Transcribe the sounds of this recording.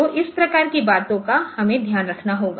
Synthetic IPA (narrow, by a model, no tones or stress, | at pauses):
oʔɪspɾɐkaːɾkibaːt̪õkahɐmẽd̪ʱjaːnɾɐkʰnaɦoːɡaː